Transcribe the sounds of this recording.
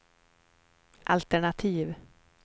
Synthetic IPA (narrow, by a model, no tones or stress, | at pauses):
ʔa̰lt̪ɛɳat̪ʰiːv